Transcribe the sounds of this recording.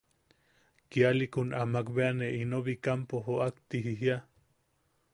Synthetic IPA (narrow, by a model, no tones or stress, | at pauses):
kialikonamakβeaneinoβikampoɦoakt̪iɦiɦja